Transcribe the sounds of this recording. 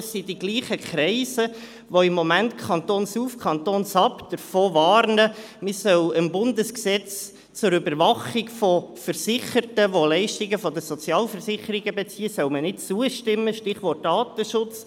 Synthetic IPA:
sːidiɡliːχəkʰɾɛɪsə | ʋoɪmːomæntkʰχɑnt̪oːnsuːfkʰɑnt̪oːnsɑpd̥əɾfoːʋɑːɾnə | mɪsœwəmbʊndəsksɛt͡s | t͡sʊɾybəɾʋɑχiɡfɔfəɾsɪχəɾtəʋolɛɪʃtiɡəfɔdəsɔt͡sjɑːlfəɾsɪχəɾiɡəbɛt͡siːəsœʊmənɪtt͡suəʃtɪmːəʃtɪχʋɔrt̚dɑːt̪əʃʊt͡s

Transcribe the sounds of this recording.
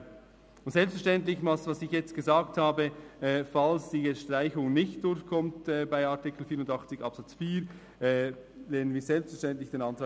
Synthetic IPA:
ʊntsɛlpstfɛɐʃtɛntlɪçmasvɑsɪçjɛt͡st̚ɡ̥əzaːkthaːbəɛːfalsd̥iːjɛʃtʁaɪçʊŋnɪçt̚d̥ʊɾçkʰɔmtɛbaɪɑɐtɪkl̩fiːɾʊndɑχt͡sɪçɑpsɑt͡sfiːɾ | ɛlɛːnənviːzɛlpstfɛʃtɛntlɪçd̥eːnɑntɾɑː

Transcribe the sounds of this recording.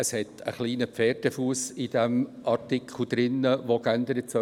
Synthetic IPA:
əshɛtə̰χliːnəpfɛːɾdəfuːsɪd̥ɛmʔɑtɪkχl̩d̥̪ɾɪnːəʋokændəɾətsœ

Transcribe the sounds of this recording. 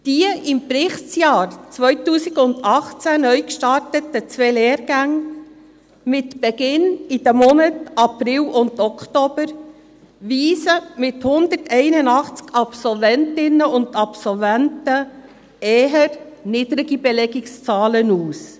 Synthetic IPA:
d̥iəɪmprɪχtt͡sjɑːɾt͡sʋœjtuːsikʊnd̪ɑχt͡sænœʏkʃtɑɾtətət͡sʋɛleːɾɡæŋ | mɪtb̥ɛɡɪnid̥̪əmɔnətɑpɾɪlʊnd̪ɔkχtɔb̥əɾ | ʋiːsəmɪthʊnd̪ətʰɛɪnənɑχt͡skɑpsɔlvɛntɪnəʊndɑpsɔlvæntə | ɛːɦəɾniːd̪ɾɪɡibɛlɛɡɪkst͡sɑːlənuːs

